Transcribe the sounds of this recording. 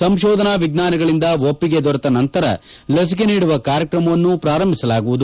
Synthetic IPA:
sɐmʃɔːd̪ɐnaːʋiɡ̪naːnɐɡɐɭind̪ɐʋopːiɡe̞d̪ɔɾɐt̪ɐnɐnt̪ɐɾɐ̰ | lɐs̬ik̬e̞niːɽuʋɐkaːɾjɐkɾɐmɐʋɐnːupɾaːɾɐmbʱisɐlaːɡuʋud̪u

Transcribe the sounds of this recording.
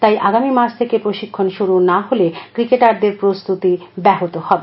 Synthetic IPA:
t̪ajʔaɡamimaʃʰt̪ʰekepɾoʃikʰːonʃuɾunaɦolekɾikeʈaɾd̪eɾpɾost̪ut̪ibɛɦot̪ohɔbe

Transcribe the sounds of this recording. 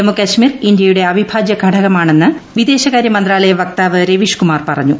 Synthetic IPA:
nɐmːukɐɕmiːrind̪jɐjuɽe̞ɐbʱibʱaːd͡ʑjɐɡʱɐɽʰʱɐɣɐmaːɳe̞nːɨʋid̪e̞ːɕɐɣaːɾjɐmɐnd̪raːlɐjɐʋɐk̚t̪aːʋɨɾeʋiʂkumaːrpɐrɐ̰ɲːu

